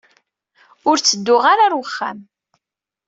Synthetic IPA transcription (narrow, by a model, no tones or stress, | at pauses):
ʊɾt͡sːəd̪ːʊʁaɾaɾwəχːæ̰m